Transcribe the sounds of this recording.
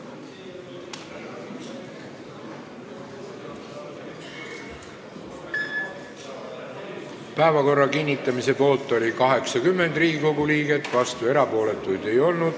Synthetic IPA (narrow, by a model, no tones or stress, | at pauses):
pæevɑko̞rːɑkinʲːit̪ːˑɑmise̞po̞ːlt̪ˑːo̞lʲikɑɦe̞ksɑkymːe̞nd̪riːɡiko̞ɡuliːɡet̪ːvɑst̪ue̞ɾɑpo̞ːle̞t̪ːˑujd̪̥e̞jo̞lnud̪̥